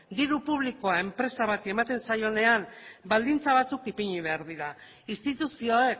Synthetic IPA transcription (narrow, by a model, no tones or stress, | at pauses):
d̪iɾupuβliko̞ae̞mpɾe̞saβ̞at̪ie̞mat̪e̞nsajo̞ne̞ambald̪int͡saβ̞at͡sukipiɲiβe̞aɾðiɾa | ist̪it̪usioek